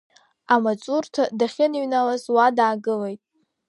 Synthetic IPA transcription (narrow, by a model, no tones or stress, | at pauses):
amat͡sʼurtʰadaχʲɪniɥnalazwadaːɡɨlejtʼ